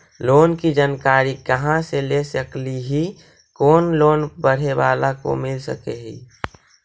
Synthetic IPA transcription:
loːnkid͡ʒaːnkaːɾikəɦãselesəkliɦi | koːnloːnbəɽ̤eʋaːlako̰mɪlsə̰keːɦḭ

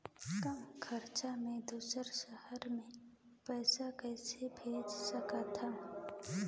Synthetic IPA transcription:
t̪əmkʰəɾt͡ʃamẽd̪uːsəɾʃəhəɾmẽ | pɛːsakɛːsebʱeːd͡ʒsəkat̪ʰəm

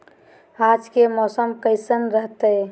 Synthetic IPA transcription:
ad͡ʒkemɔːsəmkəɪsənɾəɦt̪ə

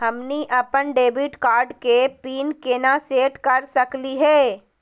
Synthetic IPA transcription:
ɦɐmniʔɐpənɖeːbiʈkaːɾɖkepiːnkeːnaseːʈkɐɾsɐkliɦɛː

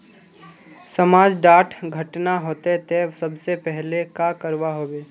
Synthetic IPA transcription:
səmaːd͡ʒɖaːʈʰɡʱɐʈnaɦoːt̪et̪esɐbsepɛɦlekakəɾʋaɦoːʋeː

